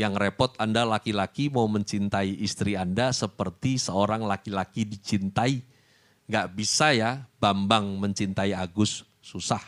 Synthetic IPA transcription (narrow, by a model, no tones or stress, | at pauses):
jaŋrepɔt̪̚andalakilakimauməɲt͡ʃint̪aiʔist̪ɾiandasəpərt̪isəoɾaŋlakilakidit͡ʃint̪ai | ŋɡaʔbisajabambaŋməɲt͡ʃint̪aiaɡʊsː | usah